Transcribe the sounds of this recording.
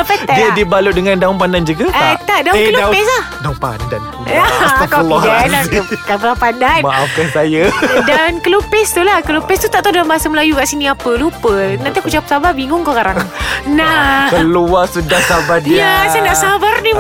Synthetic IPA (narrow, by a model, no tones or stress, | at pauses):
apatadiadibaludəŋandaʊŋpandand͡ʒuɡaaat̪aʔdawkəluapɛsahdaŋpa̰ndanuaakalɔadakapəlapandanmaʔafkansajadankəlupɛst̪ulahkəlupɛst̪ut̪aʔt̪adalambaasəməlajukaʔsiniapəlupənãnt̪iakut͡ʃapə̥sabaʔbiŋʊŋkokaɾaŋnakəluasədahsabat̪̚diasanaʔsabarni